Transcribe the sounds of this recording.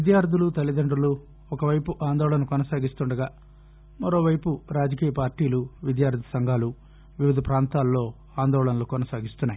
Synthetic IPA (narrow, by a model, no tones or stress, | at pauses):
id̪jaːɾt̪ilut̪ɐlid̪ɐɳɖɾulu | ɔkɐʋɐjpuʔaːnd̪ɔːɭɐnɐkɔnɐsaːɡist̪uɳɖɐɡaː | mɐɾo̞ːʋɐjpuɾaːd͡ʒɐkiːjɐpaːɾʈiːluʋid̪jaːɾd̪ʱi̥sɐŋɡʱaːlu | ʋiʋid̪ʱɐpɾaːnt̪aːlːo̞ː | aːnd̪ɔːɭɐnɐlukɔnɐsaːɡist̪unːaːji